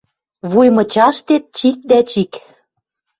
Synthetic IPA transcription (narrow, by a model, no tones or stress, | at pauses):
βujmɤ̆t͡ɕɑʃt̪et̪̚t͡ɕik̚d̪æt͡ɕik